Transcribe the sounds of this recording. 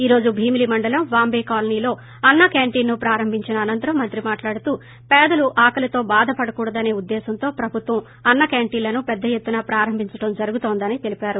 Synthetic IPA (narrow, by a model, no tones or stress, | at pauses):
iːɾo̞ːd͡ʒubʱiːmilimɐɳɖɐlɐmʋaːmbeːkaːlɐniːlo̞ː | ɐnːɐkaːɳʈiːnːupɾaːɾɐmbʱiɲt͡ʃinɐːnɐnt̪ɐɾɐmːɐnt̪ɾimaːʈlaːɽut̪uː | pɛːd̪ɐluʔaːkɐlɐt̪o̞ːbaːd̪ʱɐpɐɽɐkuːɽɐd̪ɐne̞ːud̪ːɛːsɐnt̪o̞ːpɾɐbʱut̪ʋɐm | ɐnːɐkaːɳʈiːlɐnupɛd̪ːɐjet̪ːunɐːpɾaːɾɐmbʱiɲt͡ʃɐʈɐmd͡ʒɐɾuɡut̪oːnd̪ɐnit̪e̞lipaːɾu